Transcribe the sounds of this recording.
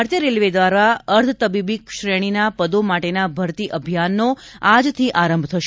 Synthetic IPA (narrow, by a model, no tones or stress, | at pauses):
ɾt̪jəɾelʋed̪ʋaɾaəɾt̪ʰət̪əbibikʃɾeɽ̃inapəd̪omaʈenabʱəɾt̪iʔəbʱjanːoad͡ʒt̪ʰiʔaɾəmbʱt̪ʰəʃ